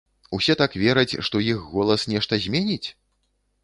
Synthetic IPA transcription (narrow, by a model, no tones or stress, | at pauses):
usʲɛt̪akvʲɛɾɐt͡sʲʂt̪ɔjixːɔlˠɐsnʲɛʂt̪ɐzʲmʲɛnʲit͡sʲ